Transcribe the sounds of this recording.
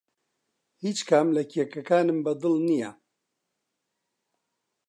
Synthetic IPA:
hiːt͡ʃkʰaːmlɐkʰiɛkɐkaːnɨmbɐd̪ɨlnija

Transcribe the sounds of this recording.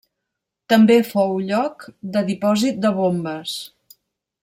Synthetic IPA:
t̪əmbefowʎɔkd̪əðipɔzit̪̚d̪əβombəs

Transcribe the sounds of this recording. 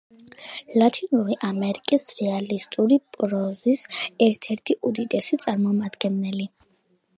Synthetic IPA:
lat̪ʰinuɾiʔamɛɾikʼisɾɛalist̪ʼuɾipʼɾɔzisɛɾt̪ʰɛɾt̪ʰiʔud̪it̪ʼɛsit̪sʼaɾmɔmad̪ɡɛnːɛli

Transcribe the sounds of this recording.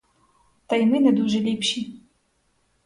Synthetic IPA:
t̪ajmɨnɐd̪uʐɛlʲipɕi

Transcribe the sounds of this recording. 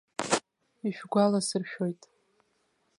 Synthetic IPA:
iʃᶣɡʷalasɨrʃᶣo̞jtʼ

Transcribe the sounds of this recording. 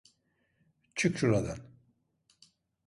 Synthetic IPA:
t͡ʃʰɨkt͡ʃuɾad̪an

